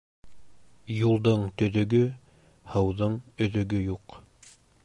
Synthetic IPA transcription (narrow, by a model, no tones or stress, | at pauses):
julˠd̪ɤɴt̪ɵ̆ðɵ̆ɡɵ | hɤ̆wðɤɴɵ̆ðɵ̆ɡɵjuq